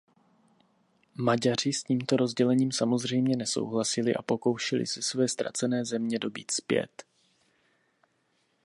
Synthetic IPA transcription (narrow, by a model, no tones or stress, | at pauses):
maɟar̝ɪsciːmt̪o̞ɾo̞zɟɛlɛɲiːmsamo̞zr̝ɛjmɲɛnɛso̰wɦlasɪlɪʔa̰po̞ko̞wʃɛlɪ̰sɛsvɛːst̪ɾa̰t͡sɛnɛːzɛmɲɛdo̞bḭːt̪spjɛ̰t̪